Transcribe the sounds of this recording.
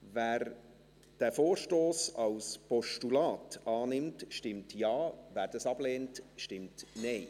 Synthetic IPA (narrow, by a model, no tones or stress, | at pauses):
væːɾ | d̥æfoːrʃtoːsɑwspɔʃtulɑːtɑːnɪmtʃtɪmtjɑːvæːɾd̥ɑsɑbleːntʃtɪmtnɛɪ